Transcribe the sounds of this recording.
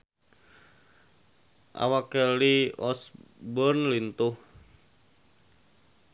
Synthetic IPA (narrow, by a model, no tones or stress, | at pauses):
ʔa̰wakɛliɔsbɔnlint̪uh